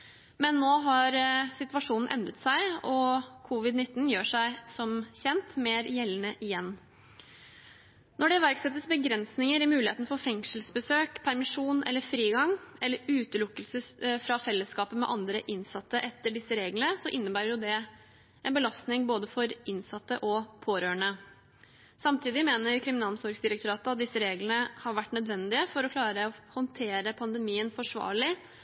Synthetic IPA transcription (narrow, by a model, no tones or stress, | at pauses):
mɛnːoːɦɑɾsɪt̪ʋɑʂuːnn̩ʔɛ̰nd̪ɾət̪sæɪɔkʰʊʋɪd̪nɪt̪ːn̩jøːʂæɪsɔmçɛnt̪meːɾjɛlːənəʔɪjɛnː | nɔɖɛʋæɾksɛt̪ːəsbəɡɾɛnsnɪŋəɾɪmʉːlɪheːt̪nfɔɾfɛŋʂəlsbəsøːkpʰæɾmɪʂuːnʔɛ̰lːəɾfɾiːɡɑŋɛlːəɾʉːt̪əlʊkːəlsəfɾɑfɛlːəskɑːpəmɛ̰ʔɑnd̪ɾəʔɪnsɑt̪ːəʔɛt̪ːəɖɪsːəɾeːɡlənəsɔʔɪnːəbæːɾəɾjʊd̪ɛ | ʔɛnbəlɑst̪nɪŋboːd̪əfɔɾɪnsɑt̪ːəʔɔpʰoːɾøːɳə | sɑmt̪ʰiːd̪ɪmeːnəɾkʰɾɪmɪnɑːlmsɔɾɡsd̪ɪɾəkt̪ʊɾɑːt̪əɑt̪̚d̪ɪsːəɾeːɡlənəhɑɾʋæʈːnœd̪ʋɛnd̪ɪəfɔɾɔkʰlɑːɾəɔhɔnt̪ʰeːɾəpʰɑnd̪əmiːənfɔʂʋɑ̰ːɭɪ